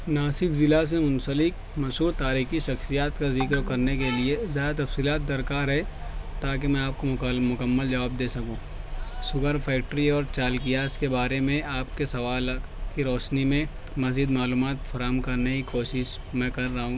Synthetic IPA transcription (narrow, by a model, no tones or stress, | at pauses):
naːsɪkzɪlas̬emʊ̃nsəlɪk̚ | mɐʃɦuːɾt̪aːɾiːxiʃɐxsijaːt̪kazɪkəɾkɐɾnekeliezaːjat̪ɐfsiːlaːt̪̚d̪ɐɾkaːɾɦɛt̪aːk̬emɛ̃aːp̚komʊkəmːəld͡ʒɐʋaːb̚d̪eːsɐkũː | sʊɡəɾpʰɛːk̚ʈɾiɔːɾt͡ʃaːlkijaskebaːɾemẽʔaːpkesɐʋaːlkiɾɔːʃnimẽ | mɐziːd̪maːluːmaːt̪fɐɾaːɦəmkɐɾnɐikoːʃɪʃ | mɛ̃kɐɾːɐɦũː